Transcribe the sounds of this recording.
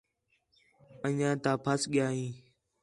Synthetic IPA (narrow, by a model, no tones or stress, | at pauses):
əɲãːt̪aːpʰəsɠɪjaːɦĩː